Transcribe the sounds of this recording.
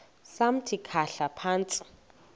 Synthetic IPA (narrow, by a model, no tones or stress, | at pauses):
sam̩tʰikʰaɬapʰaːnt͡sʼi̥